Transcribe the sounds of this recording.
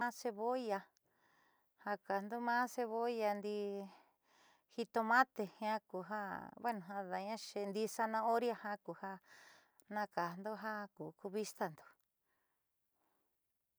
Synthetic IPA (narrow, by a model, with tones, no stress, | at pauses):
ã˦se˧βo˦˧ja˧ | ha˧ka˨nd̪o˦mãː˦se˧βo˦˧ja˧nd̪i˧ | hi˧t̪o˧mã˦t̪e˧hĩ˧ã˦ku˨ɦa˦βe˦nũ˨ɦã˧ða˨ɲã˦ʃe˧nd̪i˧sa˧nã˧o˦ɾja˧hã˦ku˨ha˦ | nã˦ka˨nd̪o˦ɦa˦ku˨ku˧βi˦st̪a˧nd̪o̥˨